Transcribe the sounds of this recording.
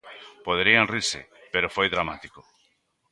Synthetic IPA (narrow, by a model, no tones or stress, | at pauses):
poðeɾianrisḛpeɾofojðɾamat̪iko